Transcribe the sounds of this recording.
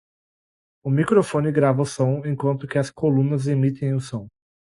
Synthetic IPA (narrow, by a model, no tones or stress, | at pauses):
ʊmikɾofõnɪɡɾavɐʊsõw̃ẽj̃kwɐ̃nt̪ʊkɪɐskolũnɐzemit̪ẽj̃ʊsõw̃